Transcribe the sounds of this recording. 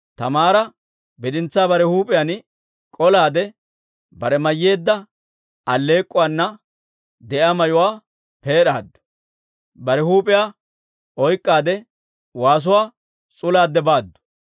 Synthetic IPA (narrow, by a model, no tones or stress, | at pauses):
t̪ɐmaːɾɐ | bɛd̪ɪnt͡sːaːbɐɾɛhuːpʼɪjan | kʼɔlaːd̪ɛ | bɐɾɛmɐjːe̞ːd̪ːɐ | ɐlːe̞ːkʼːʊwaːnːɐ | d̪ɛʔamɐjʊwaː | pe̞ːɗaːd̪ːʊ̥ | bɐɾɛhuːpʼɪjaː | ɔjkʼːaːd̪ɛ | waːs̬ʊwaː | t͡sʼʊlaːd̪ːɛbaːd̪ːʊ̥